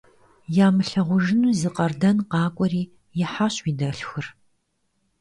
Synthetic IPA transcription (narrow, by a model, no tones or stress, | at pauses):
jaːmɨɬɐʁʷʊʒɪnuːzɨqʼɐrdɐnqɑːkʷʼɔriː | jɪħaːɕʼwiːdɐɬxɨr